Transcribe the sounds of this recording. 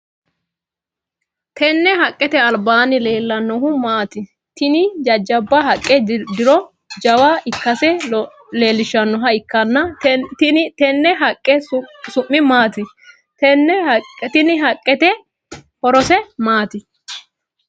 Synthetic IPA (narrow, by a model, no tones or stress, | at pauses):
t̪ʰɛnːɛɦɐkʼːɛt̪ɛɐlbaːnɪleːlːɐnːɔɦʊmaːt̪ɪ | t̪ɪnɪd͡ʒɐd͡ʒːɐbːɐɦɐkʼːɛd̪ɪɾɔ | d͡ʒɐwaʔɪkːɐsɛ | le̞ːlːɪʃːɐnːɔɦɐɪkːɐnːɐ | t̪ɛnːɛɦɐkʼːɛsʊmːɪmaːt̪ɪ | tɛnːɛt̪ɪnɪɦɐkʼːɛt̪ɛ | hɔɾɔsɛmaːt̪ɪ